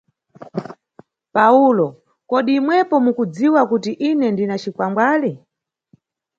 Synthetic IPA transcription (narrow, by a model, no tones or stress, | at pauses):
paulɔ | kɔɗiːmwɛpɔmukud͡ziwakutiʔinɛndinat͡ʃikwamɡwaːli